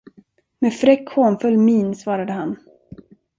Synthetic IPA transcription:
meːfɾɛkhoːnfɵlːmiːnsvɑːɾad̪əɦan

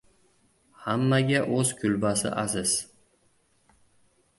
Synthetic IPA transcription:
hamːaɡʲaʔɵzkʲʰʊlbasɪ̰ʔazɪz̥

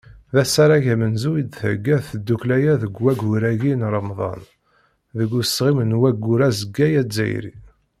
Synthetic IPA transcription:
ðæsæɾˤæʝæmənzujid̪θæɡːæðθəd̪ːuklæjæðəɡwæɡuɾæʝinɾˤəmðˤɑ̰n | ðəɡːusʁimənwæɡːuɾæzəɡːæjæd͡zːæ̰j̰ɾḭ

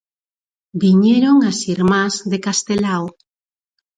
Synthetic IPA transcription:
biɲeɾoŋasiɾmazðekast̪elaw

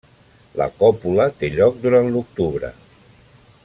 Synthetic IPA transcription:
lə̰kɔpulət̪eʎɔk̚d̪uɾant̪luk̚t̪uβɾə̰

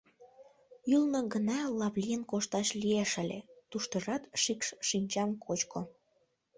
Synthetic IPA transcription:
ylnoɡənɑlɑβlʲijənkoʃt̪ɑʃlieʃəlʲḛt̪uʃt̪əʒɑt̪ʃikʃʃinʲt͡ɕɑmkʰot͡ɕko

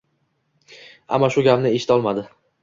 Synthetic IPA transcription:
a̰mːaʃʊɡʲapnɪeʃɪ̥t̪ʰɒlˠmad̪ɪ

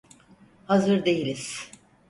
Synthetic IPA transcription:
hazɯɾd̪e̞jilʲiz̥

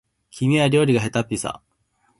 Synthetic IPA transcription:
kʲʰimʲiaɾʲo̞ːɾʲiɡaɦe̞t̪apʲːisa̰

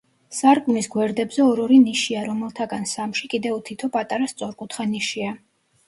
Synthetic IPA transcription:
saɾkʼumisɡwɛɾd̪ɛbzɛɔɾɔɾiniʃiaɾɔmɛlˠt̪ʰaɡansamʃikʼid̪ɛut̪ʰit̪ʰɔpʼat̪ʼaɾast̪sʼɔɾkʼut̪ʰχaniʃia

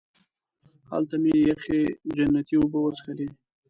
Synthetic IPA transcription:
ha̰lt̪amejaxed͡ʒanːat̪iʊbəwəsxali

